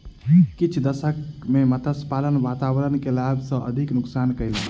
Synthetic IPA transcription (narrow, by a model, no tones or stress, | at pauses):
kit͡ʃʰd̪əsəkmemət̪ʰəspalənʋat̪abɾənkelabsə̃ʔəd̪ʱiknuksankəjle